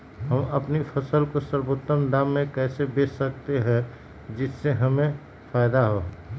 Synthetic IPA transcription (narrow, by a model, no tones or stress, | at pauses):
ɦəmɐpnipʰəsəlkosəɾboːt̪ːəmd̪aːmːẽkɛːsebeːsək̚t̪eɦɛ̃ | d͡ʒɪsːeɦɐmẽ | fʰaːɪd̪aɦoɦ